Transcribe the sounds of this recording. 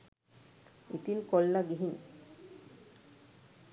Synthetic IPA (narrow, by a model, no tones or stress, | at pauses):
it̪inkolːaɡiɦin